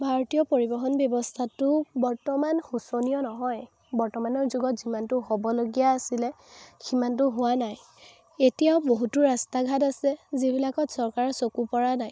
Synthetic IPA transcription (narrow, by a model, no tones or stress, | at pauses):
bʱaɹɔtijɔpoɹibɔxɔnbjɔbɔstʰatʊbɔɹtɔmanxusonijɔnɔɦɔj | bɔɹtɔmanɔɹzuɡɔtzimantʊɦobɔloɡijaːsilɛ | ximant̬ʊɦʊwanaj | etijaʊboɦutʊɹastaɡʱatasɛzibʱilakɔtsɔɹkaɹɔsokupɔɹanaj